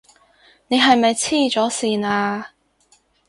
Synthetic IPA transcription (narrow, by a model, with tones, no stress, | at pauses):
ne˨˧jɦɐ˨jmɐ˨jt͡sʰiː˥t͡sɔː˨˥siː˨naː˧